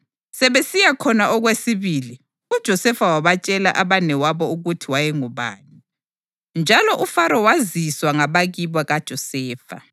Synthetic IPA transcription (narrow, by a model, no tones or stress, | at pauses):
sɛβesijakʰɔnaʔɔɣwesiβiːli | ud̥ʒ̥ʱɔsɛfawaβat͡ʃʼɛla̰ʔaβanɛwaβɔuɣutʰiwajɛŋuβa̰ːni | nd͡ʒʱalɔʔufaɾɔwaziswaŋaβaɣiβwaɣad̥ʒ̥ʱɔsɛːfa̰